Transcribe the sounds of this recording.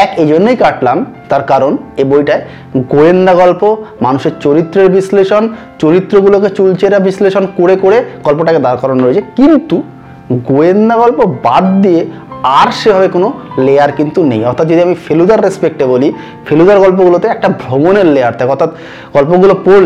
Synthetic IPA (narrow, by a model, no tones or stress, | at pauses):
ɛked͡ʑonːejkaʈlamt̪aɾkaɾonebojʈae | ɡoend̪aɡɔlpomanuʃeɾt͡ɕoɾit̪ːɾeɾbisleʃon | t͡ɕoɾit̪ːɾoɡuloket͡ɕult͡ɕeɾabisleʃonkoɽekoɽeɡ̥ɔlpoʈaked̪aɾkɔɾonɾoet͡ɕʰekint̪u | ɡoend̪aɡɔlpobad̪d̪ie | aɾʃebʱabekonolejaɾkint̪unḛjɔɾt̪ʰat̪̚d͡ʑod̪iamifʰelud̪aɾːespek̚ʈeboli | fʰelud̪aɾɡɔlp̬oɡulot̪eɛk̚ʈabʱɾomoneɾleaɾt̪ʰakeɔɾt̪ʰat̪ | ɡ̥ɔlpoɡulopoɾl